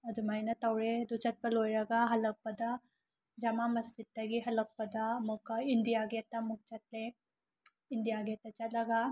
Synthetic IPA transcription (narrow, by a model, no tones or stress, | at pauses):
ɐd̪umajnɐt̪ɐwɽed̪ut͡ʃat̪̚bɐlojɾɐɡaɦɐlɐk̚pɐd̪a | d͡ʒamamɐst̪it̪ːaɡiɦɐlɐk̚pɐd̪amukaind̪ijaɡet̪amuk̚t͡ʃat̪le | ind̪ijaɡet̪at͡ʃalaɡa